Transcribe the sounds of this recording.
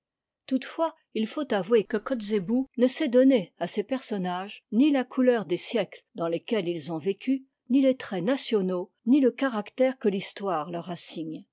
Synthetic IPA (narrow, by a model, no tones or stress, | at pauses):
t̪ut̪fwa | ilfot̪avwekəkɔt̪zebunəsɛd̪ɔneasepɛʁsɔnaʒnilakʰulœʁd̪esjɛkld̪ɑ̃lekʲɛlilzɔ̃vekʲy | nilet̪χɛnasjɔno | niləkaʁakt̪ɛʁkəlist̪waːʁlœʁasiɲ